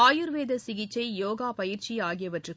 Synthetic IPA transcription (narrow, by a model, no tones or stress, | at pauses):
aːjɯɾʋeːðɐsɪɣɪt͡ʃːɐɪjoːɣaːpɐjɪɾt͡ʃiaːɣɪjɐʋɐʈrɯ